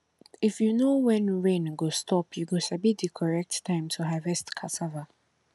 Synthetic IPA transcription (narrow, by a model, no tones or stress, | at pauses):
ifjunowɛ̃nɹẽnɡostʰɔpʰjuɡosabidikʰɔɹɛk̚ttʰãɪ̃mtʰuɦavɛstkʰasava